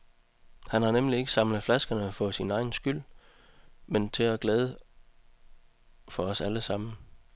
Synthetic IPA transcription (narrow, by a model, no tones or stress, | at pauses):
hænhɑ̈nemlie̝ɡ̥ə̥sɑ̈mləð̩ˠflæsɡ̥ɐnəfɒɔ̽sinɑ̈ɪn̩sɡ̥yl̰ | ment͡sʰe̝æɡ̥leːð̞ˠə | fɒ̽ɒ̽sæləsɑ̈m̰n̩